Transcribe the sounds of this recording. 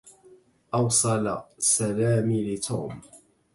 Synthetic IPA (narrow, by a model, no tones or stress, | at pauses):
ʔɑwsˤɑla̰salaːmilɪt̪ʰṵːm